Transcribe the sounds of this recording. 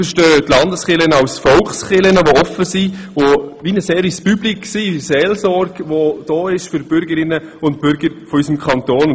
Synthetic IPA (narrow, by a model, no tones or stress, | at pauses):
fəʃtøːtlɑndəsχɪlənəɑwsfɔlχsχɪlənəʋoɔfːəsiʋoʋinəseːɾispybliksiseːlsɔɾɡ̥ʋod̥ɔːɪʃfʏɾb̥ʏɾɡəɾɪnːəʊnt̚b̥ʏɾɡ̥əɾfɔysəmkʰɑnt̪oːn